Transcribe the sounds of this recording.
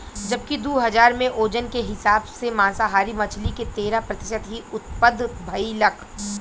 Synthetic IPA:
d͡ʒɐb̚kid̪uːɦɐzaːɾmẽʔoːd͡ʒənkeɦɪsaːbsemãːsaɦaːɾimɐt͡ʃʰliket̪eːɾapɾɐt̪ɪʃət̪ɦiʊt̪pəd̪ʱbʱɐilɐkʰ

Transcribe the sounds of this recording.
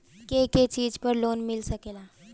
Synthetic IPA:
keket͡ɕiːd͡ʑpəɾlonmilsəkela

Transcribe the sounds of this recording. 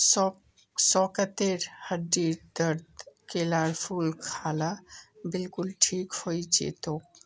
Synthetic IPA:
s | sɔkət̪eɾhəɖiɾd̪əɾd̪kelaɾpʰulkʰalabɪlkulʈʰikhojd͡ʒḛt̪o

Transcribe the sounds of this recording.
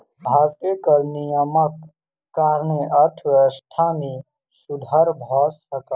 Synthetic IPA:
bʱaɾt̪ikəɾnijəməkː | aːɾneʔət̪ʰʋst̪ʰami | sud̪ʱəɾbʱɔsəkə

